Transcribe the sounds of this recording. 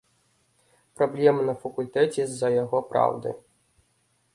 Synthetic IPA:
pɾɔblʲɛmɨnɐfɐkulʲt̪ɛt͡sʲɛzɐjɐɣɔpɾa̰wd̪ɨ̰

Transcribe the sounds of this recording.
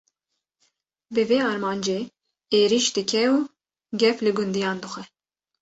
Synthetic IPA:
bɨveːɑːɾmɑːnd͡ʒeː | eːɾiʃd̪ɨkʰɛuː | ɡʲɛflɨɡʊnd̪ijɑːnd̪ɨxʷɛ

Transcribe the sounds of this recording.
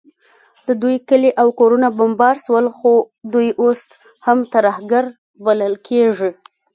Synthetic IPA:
d̪əd̪ujkəleʔawkoɾunabambɑɾʃwəlxo | d̪ujʔos | hamt̪aɾɑhɡaɾ | baləlkʰeʐi

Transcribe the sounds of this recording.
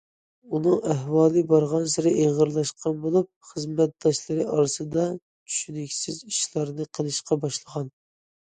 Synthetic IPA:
unɨŋæhwɑːlˠɨbɑɾʁɑnsɪɾɪʔeʁəɾlˠɑʃqɑnbolˠup̚χəzmɛt̪̚d̪ɑʃlˠɨɾɨʔɑɾɨsɨd̪ɑ | t͡ʃʰy̥ʃynɪkʲsɪziʃlˠɑɾnɨqʰəlˠɨʃqɑbɑʃlˠəʁɑn

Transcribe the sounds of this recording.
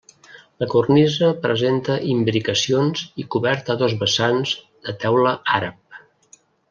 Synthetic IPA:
ləkurnizəpɾəzent̪əʔimbɾikəsionzikuβɛɾt̪əðɔzβəsanz | ðət̪ɛwləaɾəp̚

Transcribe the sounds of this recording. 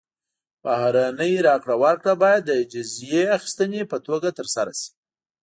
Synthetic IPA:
b̥ahɾanəjɾɑkɽawaɾkɽabɑjad̪ːəd͡ʒʊzjeaxi̥st̪ənepət̪oɡat̪əɾsaɾasi̥

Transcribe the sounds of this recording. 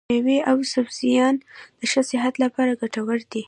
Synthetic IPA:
eweʔawsʊbzijɑnd̪̥əʃəsɪɦat̪lapɑɾaɡaʈawəɾd̪i

